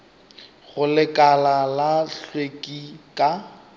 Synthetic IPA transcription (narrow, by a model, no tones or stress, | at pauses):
ɣʊlɪkʼalalaɬwekʼikʼa